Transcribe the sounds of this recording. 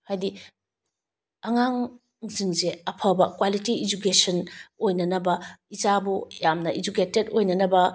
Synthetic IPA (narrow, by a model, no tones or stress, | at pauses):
hajdi | ɐŋaŋ | ziŋzeɐpʰɐbɐkwalitiːd͡ʒukesɐnojnɐnɐbɐizabujamnɐid͡ʒuketedojnɐnɐbɐ